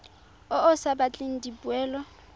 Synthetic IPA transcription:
ʊʔʊsabat͡ɬʼɪŋ̩dipuɛːlɔ

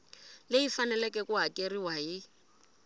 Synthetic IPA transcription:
leifanɛlɛkʼɛkuɦakeriwaɦɪ

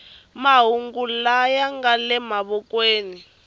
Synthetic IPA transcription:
maɦuŋɡulajaŋɡalɛmaβɔkʼweːni

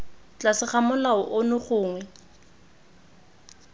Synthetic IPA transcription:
t͡ɬasɪχamʊlaʊʔʊnʊχʊːŋwɛ

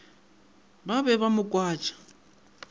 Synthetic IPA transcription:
baβɛβamʊkʼwaːt͡ʃʰʼḁ

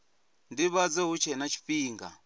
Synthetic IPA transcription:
ndiβad͡zɔɦut͡ʃʰɛnat͡ʃʰi̥ɸiːŋɡa̰

